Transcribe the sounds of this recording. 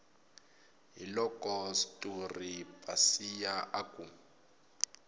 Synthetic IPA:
ɦilɔkʼɔsi̥tʼuripʼasijaʔakʼu

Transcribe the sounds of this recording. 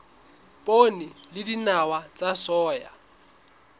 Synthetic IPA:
pʼonilɪdinawat͡sʼasɔːja̰

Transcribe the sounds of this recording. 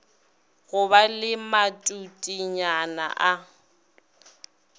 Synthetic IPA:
ɣʊbalɪmatʼutʼiɲana̰ʔa

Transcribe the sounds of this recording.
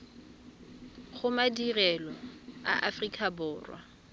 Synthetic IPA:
χʊmadirɛlɔa̰ʔafrikʼʰabʊːrwa̰

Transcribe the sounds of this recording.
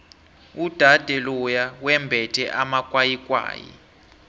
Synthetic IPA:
ud̥ʱad̥ʱɛlɔjawɛmbʱɛtʰɛʔamakʼwajikʼwa̰ːjḭ

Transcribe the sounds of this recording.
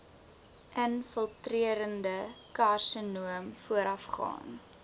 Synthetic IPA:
ʔənfəlˠtriəɾəndəkarsənuəmfuəɾʔɐfχɑ̰ːn

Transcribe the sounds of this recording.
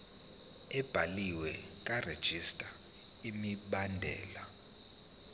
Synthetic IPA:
ɛb̥ʱaliwɛ | kʼared̥ʒ̥ʱistʼa | imiɓandʱɛ̰ːla

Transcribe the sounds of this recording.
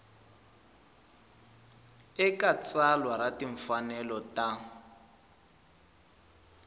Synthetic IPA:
ɛkat͡salwaɾatiɱ̩fanɛlɔta

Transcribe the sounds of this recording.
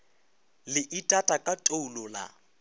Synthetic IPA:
lɪʔitʼatʼakʼatʼoulɔla̰

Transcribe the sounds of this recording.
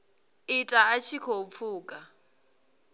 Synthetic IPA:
ɪtʼaːt͡ʃʰikʰop̪fʰuːkʼa

